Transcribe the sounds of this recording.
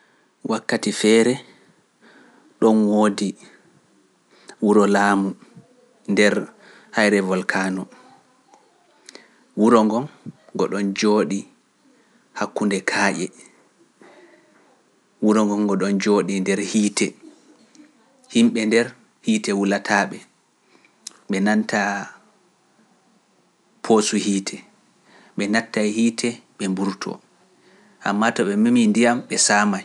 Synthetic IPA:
wʔakːatifɛːɾɛ | ɗɔnwoːdi | wuɾɔlaːmu | ndɛɾ | hajɾɛvɔlkʰaːnɔ | wuɾɔŋɡɔnɡɔɗɔnd͡ʒoːɗi | hakːundɛkʰaːʔɛ | wuɾɔŋɡɔŋɡɔɗɔnd͡ʒoːɗindɛɾhiːtʰɛ | himɓɛndɛɾ | hiːtɛwulatʰaɓɛ | ɓɛnantʰa | pʰosuhiːtʰɛ | ɓɛnatːahiːtʰɛɓɛmbuɾtʰɔ̰ | ʔamːatɔɓɛmimindijamɓɛsamaj

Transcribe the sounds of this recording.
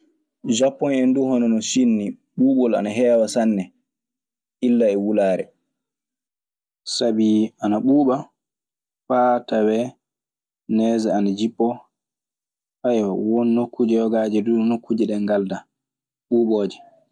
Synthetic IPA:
d͡ʒapːɔnɛnduhɔnɔnɔsinːi | ɓuːɓɔla̰naɦɛːwasanːɛ | ʔilːaɛwulaːɾɛ̰ | sabianaɓuːɓa | fatawɛ | nɛːzɛanad͡ʒipːɔ | ajawɔnːokːud͡ʒɛjɔɡaːd͡ʒɛdunokʰːud͡ʒɛɗɛŋɡalda | ɓuːɓoːd͡ʒɛ

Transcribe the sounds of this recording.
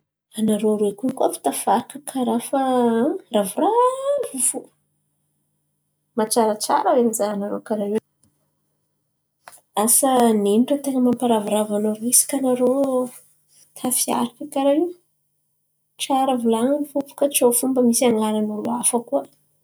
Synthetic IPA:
anaɾoɾuekunkuafi̥t̪afaɾkəkʰaɾafaravuraufu | mat͡ʃaɾat͡ʃa̰ɾəwemizaanaɾo̰kaɾae | asaneniʈ͡ʂət̪eŋəmampaɾavuɾavanaɾuisi̥kanaɾo | t̪ʰafia̰ɾakəkaɾaiw | ʈ͡ʂaɾəvulaŋfupu̥kət͡ʃofumbəmisaŋaɾanuɾṵafəkuə

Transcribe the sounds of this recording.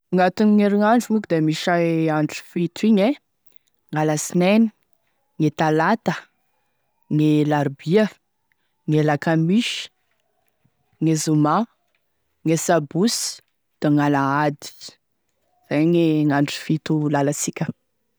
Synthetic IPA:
uŋat̪uniŋeɾiŋaɳɖ͡ʐumukid̪emiʃaaɳʈ͡ʂi̥fit̪iɲe | ŋaləsineni̥ | ŋet̪alat̪ə | ŋelaɾbiə | ŋelakamiʃi̥ | ŋezuma | ŋesabus | d̪̥eŋalaad̪i̥ | z̥ajŋeŋaɳʈ͡ʂi̥fit̪ulalasikʲə

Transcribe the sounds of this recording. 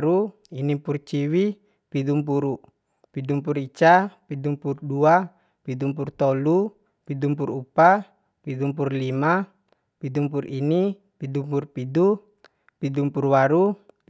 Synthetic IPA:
ɾu | inipurt͡ʃiwi | pidumpuɾu | pidumpurit͡ʃapidumpurdua | pidumpurt̪ɔlu | pidumpurupa | pidumpurlima | pidumpurini | pidumpurpidu | pidumpurwaɾu

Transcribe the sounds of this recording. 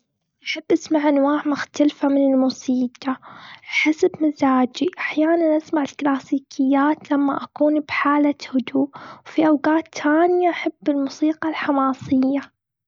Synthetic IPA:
ʔaħabːʔasmaʕʔanwaːʕmʊxt̪alfamɪnɪlmʊsiːqɑʔħasabmazaːd͡ʒiʔaħjaːnanʔasmaʕɪlklaːsiːkʰɪjːaːt̪lamːaʔakuːnbħaːlahʊd̪uːʔwfiʔawɡaːt̪ːaːnɪjaʔaħabːɪlmʊsiːqɑlħamɑːsˤɪjːa

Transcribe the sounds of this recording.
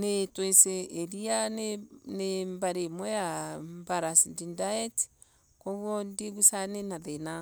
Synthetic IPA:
netweseːɾianenembaɾemojambaɾasindindaet | koβwondiɡusanenaðena

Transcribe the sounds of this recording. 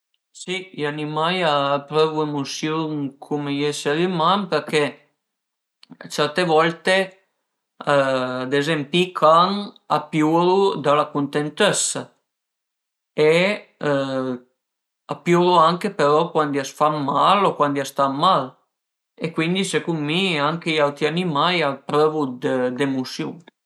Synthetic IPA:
siʎanimajaːpɾɔvuemusjuŋkʰumejɛseɾimanpeɾkɛ | t͡ʃɛɾt̪evɔlt̪e | ad̪ezempikʰaŋa̰pjuɾud̪alakunt̪ent̪esa | e | apjuɾuaŋkepeɾɔkwand̪iasfaːalokwand̪iast̪amːal | ekwind̪isekummiaŋkeiawt̪ɾianimajapɾøvud̪əd̪emusjṵŋ

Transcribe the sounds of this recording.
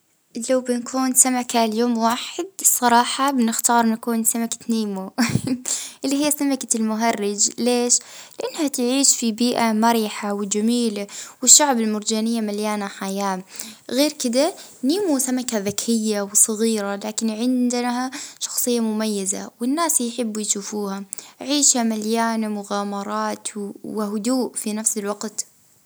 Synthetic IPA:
lawbɪnakʰuːnsamakaljoːmwaːħɪd̪̚sˤɑɾˤɑːħɑbɪnɪxt̪ɑːɾˤnakuːnsamakḁniːmu | ʔɪlːiɦijːasamakalmʊɦɑrːɪd͡ʒleːʃlɪʔanːhat̪ʕiːʃfibiːʔamɑɾjħawɪd͡ʒamiːlawɪʃːaʕbɪlmʊɾd͡ʒaːnɪjːamaljaːnaħajaːmɣeːɾkɪd̪a | niːmusamakaðɪkɾɪjːawsˤɨɣiːɾalaːkɪnʕɪnd̪haʃɑ̥xsˤɨjːamʊmajːaza̰wɪnːaːsjħɪbːjʃuːfuːhaʕiːʃhamaljaːnamʊɣaːmɑɾˤɑːt̪wɪɦʊd̪uːʔfinafsɪlwɑɡt̪

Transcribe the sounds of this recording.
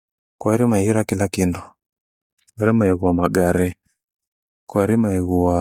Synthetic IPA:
kwaɾimaiɾakilakindu | aɾɛmaiɣuwamaɡaɾɛ | kwaɾimaiɣuwa

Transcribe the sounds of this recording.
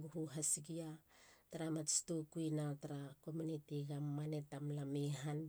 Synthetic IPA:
ɡuhuɦasiɡiataɾamastukuinataɾako̞munitiɡamːanetamlamiɦan

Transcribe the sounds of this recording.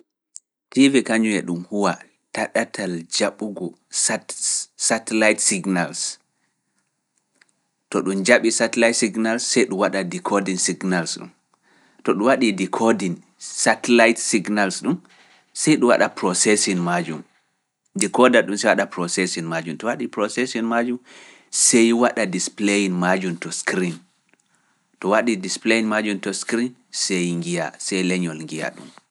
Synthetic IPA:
tivikaɲuɛɗumhuwa | taɗatʰald͡ʒaɓuɡɔ | s | satɛlajtsiɡnals | tɔɗund͡ʒaɓisatɛlajtsiɡnalsːɛjɗuwaɗadikʰɔdinsiɡnalsɗṵm | tɔɗuwaɗidikʰɔdin | satɛlajtsiɡnalsɗum | sɛjɗuwa̰ɗapɾɔsɛsɔnmad͡ʒum | dikɔdaɗumsɛjwaɗapɾɔsɛsinmad͡ʒumtɔwaɗipɾɔsɛsɔnmad͡ʒum | sɛjwaɗadisplejinmad͡ʒumtɔskɾin | tɔwaɗidispleinmad͡ʒumtɔskɾinsejŋɡija̰sɛjlɛɲɔlŋɡija̰ɗṵm

